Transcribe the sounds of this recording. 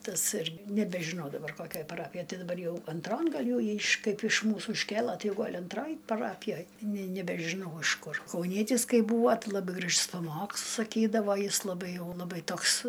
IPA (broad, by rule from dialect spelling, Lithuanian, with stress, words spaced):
ˈtɐs ɪrk nʲɛbʲɛʒʲɪˈnɐʊ dɐˈbɐr ˈkoːkʲoːj pɐˈrɑːpʲɪjoːj ˈtʲɪ dɐˈbɐr ˈjɛʊ ɐnˈtroːn ˈɡɐlʲ jɛʊ ˈjiː ɪʃ ˈkɐɪp ɪʃ ˈmuːsuː ɪʃʲˈkʲeːlˠɐ ˈtɐɪ ˈɡoːlʲ ɐnˈtroːj pɐˈrɑːpʲɪjoːj nʲɛ nʲɛbʲɛʒʲɪˈnɐʊ ˈɐʃ ˈkʊr kɐʊˈnʲiɛtʲɪs ˈkɐɪ ˈbuːʋoː ˈtɐɪ lˠɐˈbɨ ɡrɐʃs pɐˈmoːkslˠʊs sɐˈkʲiːdɐʋoː ˈjɪs lˠɐˈbɐɪ ˈjɛʊ lˠɐˈbɐɪ ˈtoːks